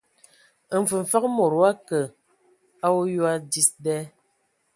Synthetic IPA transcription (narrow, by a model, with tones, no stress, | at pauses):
ɱ̩˨fɨ˨ɱ̩˨fa˦k̚mo˨ɾwa˦kə˨ | a˦wo˦jwa˦di˦sdɛː˦